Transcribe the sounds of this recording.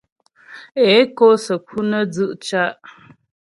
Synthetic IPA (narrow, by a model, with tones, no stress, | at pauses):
e˨˦ko˦sə˨kʰu˦nə˦d͡zɨ˦ʔt͡ʃa˦ʔ